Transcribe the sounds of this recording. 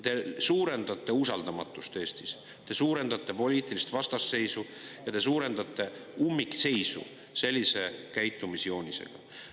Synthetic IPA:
t̪e̞suːɾe̞nd̪ɑt̪ːˑe̞usɑld̪ɑmɑt̪ːˑust̪e̞ːst̪is | t̪e̞suːɾe̞nd̪̥ɑt̪ːˑe̞po̞lʲiːt̪ːˑilist̪vɑst̪ɑsːe̞jsu | jɑt̪e̞suːɾe̞nd̪̥ɑt̪ːˑe̞umːikːse̞jsṵ | se̞lʲːise̞kæjt̪ːˑumisjo̞ːnʲise̞̰ɡ̥ɑ̰

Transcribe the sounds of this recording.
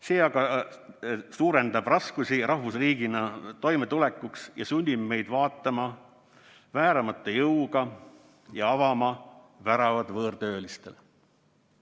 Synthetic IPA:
se̞ːɑɡɑ | suːɾe̞nd̪ɑb̥rɑskusʲirɑhvusriːɡ̥inɑt̪o̞jmet̪ule̞kːˑuksjɑsunʲːibme̞jd̪vɑːt̪ːˑɑmɑ | væːɾɑmɑt̪ːˑɑjɤwɡ̥ɑ | jɑɑvɑmɑ | væɾɑvɑd̪vɤːrt̪ø̞ːlist̪e̞l

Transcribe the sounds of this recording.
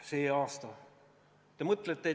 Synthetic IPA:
seeɑːst̪ɑ | emɤt̪ːˑlet̪ːe

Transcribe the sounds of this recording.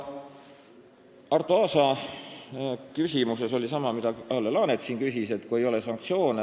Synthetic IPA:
ɑrt̪oɑːsɑ | kysʲimuse̞so̞lʲisɑmɑmid̪ɑʔɑlːelɑːnet̪siːnkysise̞t̪ːkue̞jo̞lesɑŋk̚t̪sio̞ːn

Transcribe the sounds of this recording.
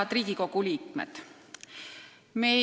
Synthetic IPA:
ɑd̪riːɡ̥iko̞ɡuliːkmḛd̪̥ | me

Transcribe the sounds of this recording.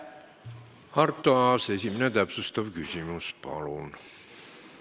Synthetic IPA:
ɑrt̪ːoɑsesiminæt̪æpsust̪ɑʋkysymyspɑ̰lun

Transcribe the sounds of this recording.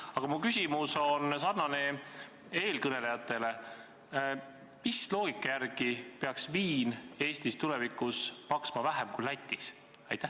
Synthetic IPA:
ɑɡ̥ɑmukysʲimuso̞nsɑrnɑne̞ | e̞ːlkɤne̞lejɑt̪ːˑe̞le̞ | mislo̞ːɡ̥ikːˑɑjærɡ̥ipe̞ɑksviːne̞ːsʲt̪ist̪ule̞vikˑuspɑksmɑvæɦemkulæt̪ʲːˑis | ɑ̰jt̪ːˑæh

